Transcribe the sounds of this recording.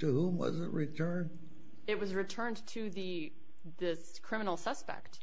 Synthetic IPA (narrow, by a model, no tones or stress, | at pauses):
tɨhũmwʌ̰zɨt̚ɹitʰɜ̃˞n | ɨt̚wʌzɹɨtʰɜ̃˞ntʰɨðɨ | ðɪs | kʰɹ̥ɪ̃mənl̩ˠsʌspɛ̰k̚t̚